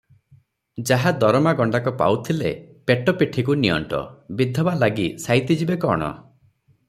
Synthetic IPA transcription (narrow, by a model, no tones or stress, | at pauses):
d͡ʒaɦad̪ɔɾɔmaɡɔɳɖakɔpa̰wt̪ʰilḛpeʈɔpiʈʰikunijɔ̰ɳʈɔ̰bid̪ʱːɔbalaɡisajt̪id͡ʒibekɔ̰ɽ̃ɔ̰